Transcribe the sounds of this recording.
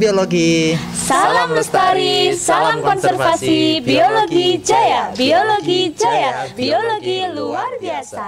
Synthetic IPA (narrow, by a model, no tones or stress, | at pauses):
bioloɡi | salaməst̪aɾisalamkɔnsɛrfasibioloɡid͡ʒajabioloɡid͡ʒajabioloɡiluarbiasa